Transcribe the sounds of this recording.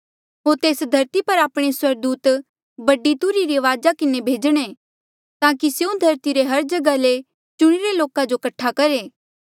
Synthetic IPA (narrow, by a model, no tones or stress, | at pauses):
ɦoːɾt̪eːsd̪ʱɐɾt̪ipɐɾaːpɽ̃eswɐɾd̪uːt̪ | bɐɖit̪ʊɾiɾiʋaːd͡ʒakɪnebʱeːd͡ʒɽ̃e | t̪ãːkiseũd̪ʱɐɾt̪iɾeɦɐɾd͡ʒɐɡale | t͡ʃʊɽ̃iɾeloːkãd͡ʒokɐʈʰːakɐɾeː